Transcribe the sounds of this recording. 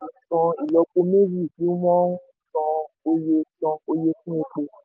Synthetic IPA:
kɔ̃˧i˨lɔ˨˧k͡po˧me˦zi˦˨ti˨˦wɔ̃˦tɔ̃˧ | o˧je˧tɔ̃˧o˧je˧fũ˦e˧ko˧

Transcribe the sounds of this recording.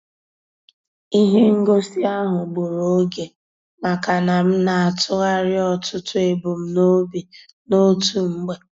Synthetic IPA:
i˦ɦe˦ŋ̩˦ɡo˦si˦a˦ɦʊ˨ɡ͡bo˨ɾo˨˦ɡe˨ | ma˨ka˨na˨m̩˦na˨a˨tʊ˦ɣa˦ɾɪ˦ɔ˦tʊ˦tʊ˦e˨bo˨m̩˦no˦bi˨ | no˦tu˨ŋ͡m̩˦ɡ͡be˨

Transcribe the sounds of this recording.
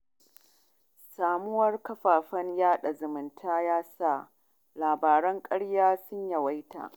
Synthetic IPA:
saː˨mʊ˦wɐ˦rkɐ˦ɸaː˨ɸɐ˦ɲjaː˦ɗa˨zʊ˨mɪ˨ntʰaː˦jaː˦sa˦˨ | laː˨baː˨ɾɐ˦ŋkʼɐ˦ɽjaː˦sʊ˦ɲja˨wa˦jta̰˨ʔ

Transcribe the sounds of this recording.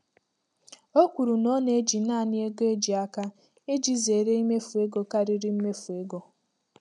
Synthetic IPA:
o˦kʷu˨ɾu˨nɔ˦ne˦d͡ʒi˨na˦˨nɪ˦e˦ɡe˦d͡ʒi˨a˦ka˦ | e˦d͡ʒi˨ze˨ɾe˦i˦me˦fu˨e˦ɡo˦ka˦ɾi˦ɾi˦m̩˦me˦fu˨e˦ɡɔ˨

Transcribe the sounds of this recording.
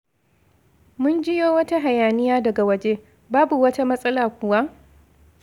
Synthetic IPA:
mʊ˦nd͡ʒɪ˦joː˦wɐ˦ta˦ɦa˨jaː˨nɪ˦jaː˦dɐ˨ɡa˨wɐ˦d͡ʒe˦ | baː˦bu˨wɐ˦ta˦mɐ˦sʼɐ˦laː˨kʷʊ˨wa˦ʔ

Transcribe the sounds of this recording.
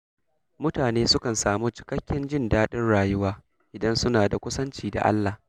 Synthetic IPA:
mʊ˦taː˨neː˦sʊ˦kɐ˨nsaː˨muː˦t͡ʃɪ̥˨kɐ˦kʲːɪ˦nd͡ʒɪ˦˨ndaː˦ɗɪ˦nɽaː˨jʊ˦waː˦ | ʔɪ˨dɐ˦nsʊ˦naː˨da˨kʷʊ˦sɐ˦nt͡ʃiː˦da̰˨ʔa̰˦lːaː˨

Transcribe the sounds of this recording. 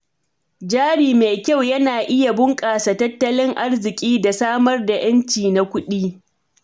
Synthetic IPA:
d͡ʒaː˦ɽiː˨meː˨kʲa˦wjɐ˦naː˨ʔɪ˦ja˨bʊ˦ŋkʼaː˨sa˨tɐ˦tːɐ˦lɪ˦ŋʔa˦rzɪ˨kʲʼiː˦da˨saː˦mɐ˦rda˨j̰ɐ˦nt͡ʃiː˨na˦kʷʊ˦ɗiː˦

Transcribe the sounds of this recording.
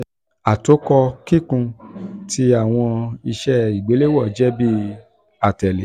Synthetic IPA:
a˨to˨˦kɔ˧ki˦kũ˧ti˧a˨w̃ɔ̃˧i˧ʃɛ˦i˨ɡ͡be˨˦le˦wɔ˦˨d͡ʒɛ˦bi˦ | a˨tɛ˨le˨˦

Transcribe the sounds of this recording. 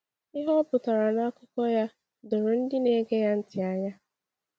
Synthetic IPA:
ɪ˦ɦɔ˦pʊ˨ta˨ɾa˨na˦kʊ˦kɔ˦ja˦ | dʊ˨ɾʊ˨n̩˦dɪ˦ne˦ɡe˦ja˦n̩˦tɪ˨a˨ɲa˦

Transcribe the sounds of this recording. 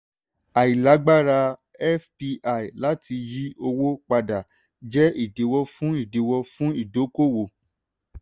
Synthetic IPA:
a˨i˨la˨˦ɡ͡ba˦ɾa˧ | ɛ˦fpi˧ʔa˨i˨la˨˦ti˧ji˦o˧wo˦k͡pa˧da˨ | d͡ʒɛ˦i˦˨de˨˦wɔ˧fũ˦i˦˨de˨˦wɔ˧fũ˦i˦˨do˨˦ko˦˨wo˨

